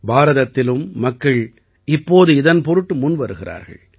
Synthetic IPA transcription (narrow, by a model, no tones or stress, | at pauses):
baːɾɐðɐt̪ːɪlɯmːɐkːɐɭ | ɪpːoːðɯɪðɐnpɔɾɯʈːɯmʊnʋɐɾɯɣɪra̰ːɾɣɐ̰ɭ